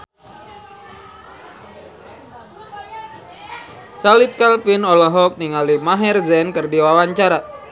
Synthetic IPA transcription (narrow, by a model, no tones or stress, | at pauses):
t͡ʃalit̪̚kalpinɔlɔɦɔk̚niŋalimaɦɛrzɛnkɨrdiwawaɲt͡ʃaɾa